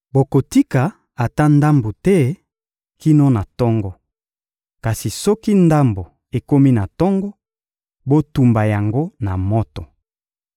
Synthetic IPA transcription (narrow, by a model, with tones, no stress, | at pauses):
bo˨ko˨ti˦ka˨ | a˨ta˦nda˦mbo˨tɛ˦ | ki˦no˦na˨tɔ˦ŋɡɔ˦ | ka˨si˨sɔ˦ki˦nda˦mbo˨ | e˨ko˦mi˦na˨tɔ˦ŋɡɔ˦ | bo˦tu˨mba˨ja˨ŋɡo˦na˨mɔ˦tɔ˨